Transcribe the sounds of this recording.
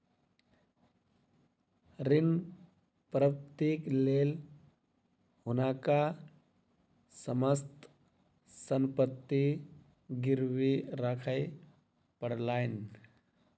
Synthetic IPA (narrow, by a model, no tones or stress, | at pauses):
ɾɪn | pɾəpt̪eːkleːl | ɦʊnaːka | səməst̪ | səmpət̪ːi | ɡɪɾwiɾakʰaɪ | pəɽlaːɪn